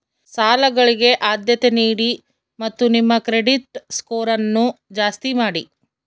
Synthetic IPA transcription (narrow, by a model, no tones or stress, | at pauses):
saːlɐɡɐɭiɡe̞ʔaːd̪jɐt̪e̞niːɽi | mɐt̪ːunimːɐkɾe̞ɖiʈskoːɾɐnːud͡ʒaːst̪imaːɽi